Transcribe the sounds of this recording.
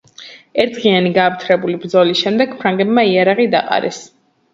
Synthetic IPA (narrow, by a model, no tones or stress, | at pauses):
ɛɾt̪ʁianiɡaːpt̪ʰɾɛbulibɾd̪zɔlisʃɛmd̪ɛɡpʰɾaŋɡɛbmaiaɾaʁid̪a̰qʼa̰ɾɛ̰s